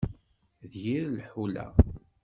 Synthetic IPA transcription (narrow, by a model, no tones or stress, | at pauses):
ðjiɾlħulæ̰